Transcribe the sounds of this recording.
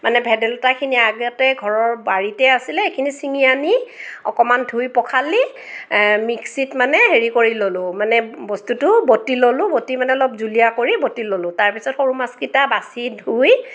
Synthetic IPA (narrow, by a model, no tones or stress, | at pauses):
manɛbʱɛdɛlɔtakʰiniaɡɛtɛɡʱɔɹɔɹbaɹitɛasilɛekʰinisiŋijaniɔkɔmandʱujpɔkʰali | miksitmanɛɦeɹikoɹilolʊ̃manɛbɔstutʊbotilolʊ̃botimanɛɔlɔp̚zulijakoɹibotilolʊ̃taɹpisɔtxoɹumaskitabasidʱuj